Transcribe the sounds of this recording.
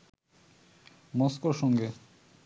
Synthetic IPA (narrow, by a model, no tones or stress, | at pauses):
moskoʃɔŋɡe